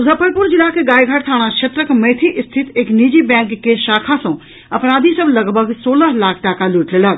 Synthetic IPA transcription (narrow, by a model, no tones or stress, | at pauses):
zɐpʰəɾpʊɾd͡ʒɪlakeɡaːjɡʱaʈt̪ʰaːɽ̃ãt͡ʃʰet̪ɾəkmɐ̃ɦt̪ʰiʔɪst̪ʰɪt̪eːkniːd͡ʒibɛ̃ːŋkːeʃaːkʰasõ | ɐpɾaːd̪ʱisəblɐɡbʱəɡsoːləɦlaːkʰʈaːkaluːʈleːləɡ